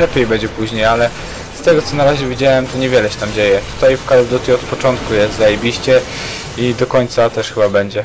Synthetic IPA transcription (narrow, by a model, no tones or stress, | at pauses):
lɛpʲjejbɛɲd͡ʑɛpuʑɲejalɛ | st̪ɛɡɔt̪sɔnaɾaʑɛvʲid͡ʑawɛmt̪ɔɲɛvʲjɛlɛɕɛ̥t̪amd͡ʑejɛt̪u̥t̪ajfkald̪ɔt̪ʲiɔt̪pɔt͡ʂɔnt̪kujɛst̪zajebʲiɕt͡ɕɛ | id̪ɔkɔɲt̪sat̪ɛʂxɘbabɛɲd͡ʑɛ